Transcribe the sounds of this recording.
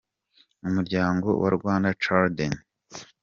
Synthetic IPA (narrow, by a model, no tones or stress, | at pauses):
umuɾɟaːŋɡo̞̰wa̰ɾɡwaːndat͡ʃaɾden